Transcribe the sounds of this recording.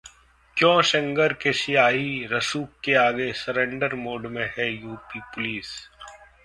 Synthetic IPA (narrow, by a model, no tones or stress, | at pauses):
kjõːʃɐ̃ŋɡəɾkesɪjaːɦiɾɐsuːkːeaːɡesəɾẽːɳɖəɾmoːɖmẽɦɛjuːpipʊliːs